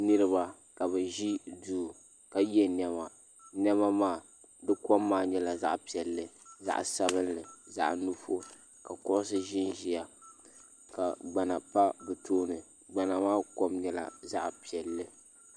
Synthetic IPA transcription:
nɨ˦ɾɨ˦βa˨ | ka˨βɛ˨ʒi˦duː˦ | ka˨jɛ˦nɛ˦ma˨ | nɛ˦ma˦maː˦˨ | dɨ˦ko˦mːaː˦ɲɛ˦la˨za̰˦ʔpi˨ɛ˨lːɨ˨za̰˦˨ʔsa˦βɨ˦nlɨ˨za̰˦ʔnu˦fo˦ | ka˨kʊ˦ʔʊ˦sɨ˦ʒɪ˦nʒi˦ja˨ | ka˨ɡ͡ba˨na˨pa˦bɨ˨tʰoː˦nɨ˨ | ɡ͡ba˨na˨maː˦ko˦mɲɛ˦la̰˨za˦ʔpi˨ɛ˨lːɨ˦

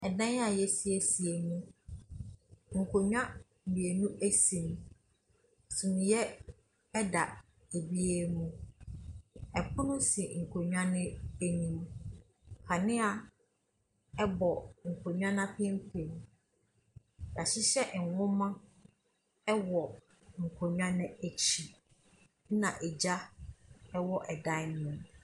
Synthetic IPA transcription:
ɛ˨dã˦n˦a˨jɛ˦si˨e˨si˨e˨mũ˦ | ŋ̩˨kʰo˨ɲᶣ˦ã˦˨ | ĩ˨e˨nũ˦ʔe˦sĩ˨m˨ | sũ˨nʊ̃˨jɛ˦ | ɛ˦da˨ | e˨bi˦e˦mũ˦ | ɛ˨pʰʊ̃˦nʊ̃˦si˨ŋ̩˨kʰo˨ɲᶣ˦ã˦nɪ̃˦e˨ɲĩ˨m | kʰa˨nɪ̃˦a˨ | ɛ˦bɔ˨ŋ̩˨kʰo˨ɲᶣ˦ã˦nã˦pʰɪ˦m̩˦pʰe˨m | ja˨ɕɪ˦ɕɛ˦ʔ̩˨wʊ̃˦mã˦ | ɛ˦wɔ˨ | ŋ̩˨kʰo˨ɲᶣ˦ã˦nɪ̃˦e˨t͡ɕʰi˨˦ | nã˨ʔɛ˨d͡ʑa˦ | ɛ˦wɔ˦ʔɛ˨da˦nʊ̃˨m

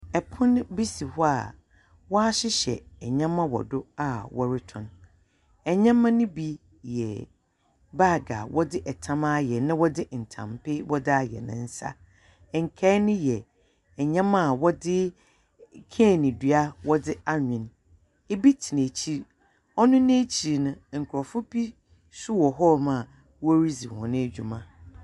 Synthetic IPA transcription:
ɛ˨pʰʊ̃˦n˦bi˦si˨hʊ˦a˨ | wɔ˦a˦ɕɪ˦ɕɛ̰˨ɲã˦mã˦wɔ̰˨dʊ˦a˨wɔ˦ɾɪ˦tʰʊ̃˨n | ɛ˨ɲã˦mã˦nʊ̃˦bi˦ | jɛ̰˨ | ba˦˨ɡa̰˨wɔ˦dɪ˦ʔɛ˨tʰã˦mã˦jɛ˨nã˦wɔ˦dɪ˦˨n̩˨tʰã̰˨mpʰɪ˦wɔ˦dɪ˦a˨jɛ̰˨nɪ̰̃˨n̩˦sa̰˦˨ | ŋ̩˨kʰɛː˦nɪ̃˦jɛ˨ | ɛ˨ɲã˦mã˦˨wɔ˦dɪ˦ | kʰe˦˨nĩ˨dɥa˦wɔ˦dɪ˦a˦ɲᶣɪ̃˨n | e˦bi˦tʰi˨nẽ˨t͡ɕʰi˦ɾ | ɔ˦nʊ̃˦ñ˦e˦t͡ɕʰi˨ɾnʊ̃˦ŋ̩˨kʰʊ˨ɔ˨fʊ˦pi˦ | sʊ˦wɔ˨ɦɔ˦mã˨ | wɔ˦ɾi˦zi˨hɔ̰̃˨nʊ̃˦e˦d͡ʑᶣu˨mã˨

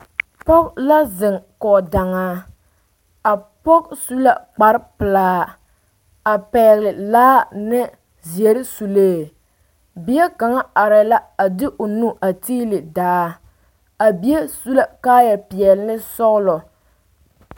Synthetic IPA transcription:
pɔ˦kla˦zɪ˨ŋkɔ˨da˨ŋaː˦ | a˨pɔ˦ksu˦la˦k͡pa˨ɾɪ˦pɨ˨laː˦ | a˨pɛː˨ɣlɪ˨laː˦nɛ˦ | zi˨ɛ˨ɾɪ˦su˨leː˦˨ | bi˨˦ɛ˦ka˨ŋa˦a˨ɾɛ˨la˦a˨dɪ˦ʔo˨nu˦ʔa˨tiː˦lɪ˨daː˨˦ | a˨bi˦e˦su˦la˦ka˦jɛ˨pɪ˨ɛ˨lnɨ˦sɔ˦ɣlɔ˨

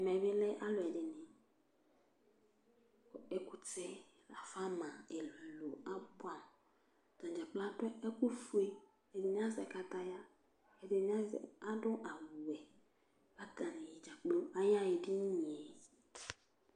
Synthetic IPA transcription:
ɛ˨mɛ˨βɪ˦lɛ˦ʔa˦lʊ˨ɛ˨dɪ˨nɪ̃˨ | e˦ku˨t͡sɛ˦ | la˨fa˦mã˨e˨lu˨lo˨a˦ba˦˨m | dã˨d͡ʒa˨k͡pla˦dʊ˦ɛ˦ku˦fu˦e˦ | ɛ˨dɪ˨ɲ˦ã˦zɛ˨ka˦ta˦ja˦ | ɛ˨dɪ˨ɲa˦z̰a˦dʊ̃˦ʔa˨wu˨ɛ˨ | ba˦ɡa˨nɪ̃˨ji˨d͡ʒa˨k͡plo˦a˦ja˦je˨di˦ɲ˨ɛ˨

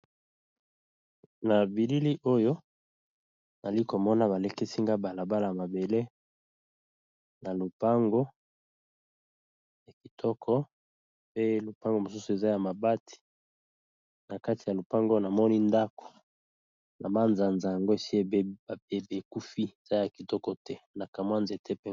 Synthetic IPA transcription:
na˨bi˨li˦li˦ʔo˦jo˦ | na˨li˦ko˨mɔ˦na˨βa˨le˨ke˦si˦ŋɡa˦ba˨la˨ba˦la˨ja˨ma˨be˨le˦ | na˨lo˨pa˦ŋɡo˦ | ja˨ki˨tʰɔ˦kʰɔ˦ | pe˦lo˨pa˦ŋɡo˨mo˨su˦su˨e˨za˦ja˨ma˨ba˦tʰi̥˨ | na˨ka˦ti˨ja˨lo˨pa˦ŋɡo˦na˨mɔ˦ni˦nda˦ko̥˨ | na˨ma˦nza˨nza˨ja˨ŋɡo˦e˨si˦e˦˨be˦˨e˨be˨ku˦fi˦e˨za˦ja˨ki˨tɔ˦kɔ˦tɛ˦na˨ka˨mwa˦nze˨tʰɛ˦pe˦

